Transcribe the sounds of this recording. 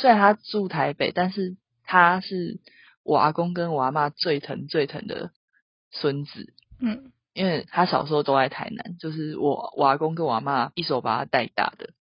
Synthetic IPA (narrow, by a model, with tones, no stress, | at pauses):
swe˥ɪa˧˦nʰa˥t͡su˥˨t̪ʰa˧˦ɪpe˨ɪt̪a˥˧nʂɻ̩˥˩ | t̪ʰa˦ʂɻ̩˥˩ | wʔa̰˧˥kɔ˦ŋk̬ə˦nwa˨˧˥ma˥˧t͡swe˥˩ɪt̪ʰə˧˥ŋt͡swe˥˩ɪt̪ʰə̰˧˥ŋd̪ə̰˩ | swə˦nt͡sɹ̩˨˩˦ | i˦nwe˥˩ɪt̪ʰa˦ɕɑ˨˩ʊʂ̩˧˥ho˥˧ʊt̪o˥a˧˥ɪt̪ʰa̰˧˥ɪna̰˧˦nt͡ɕjo˥˧ʊʂ̬ɻ̩˥˩wɔ˨˩wʔa˧˥kɔ˥˦ŋk̬ə˧˦nwa̰˧˥ma˥˧i˥˩so˨˥ʊpa˨˩t̪ʰa˦˥t̪a˥˧˩ɪt̪a̰˥˨˩d̪̥ə˩